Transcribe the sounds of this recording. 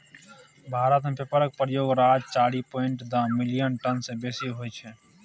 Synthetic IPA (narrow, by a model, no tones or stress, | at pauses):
bʱaːɾət̪mẽːpəpəɾək̚pɾəjoːɡɾaːd͡ʒt͡ʃaːɽiːpoːɪɳʈd̪ãːmɪlɪjənʈənseːbeːsiɦoːet͡ʃʰɛː